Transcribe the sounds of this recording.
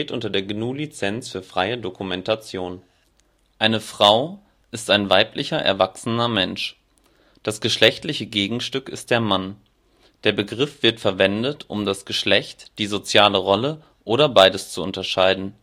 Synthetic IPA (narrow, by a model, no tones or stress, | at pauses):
eːtʔʊntɐdeːɐɡnuːlit͡sɛnt͡sfyːɐfʁ̥aɪədokumɛntat͡sjoːn | ʔaɪnəfʁ̥aʊ | ʔɪstaɪnvaɪplɪçɐʔɛ̰ɐvaksənɐmɛnʃ | d̥asɡ̥əʃlɛçtlɪçəɡeːɡŋ̩ʃtʏkɪst̚d̥eːɐman | d̥eːɐbəɡʁɪfv̥ɪɐtfɛɐvɛndətʔʊ̰mdasɡ̥əʃlɛçtd̥iːzot͡sjaːləʁɔlə | ʔoːɾɐbaɪdəst͡suʊntɐʃaɪdn̩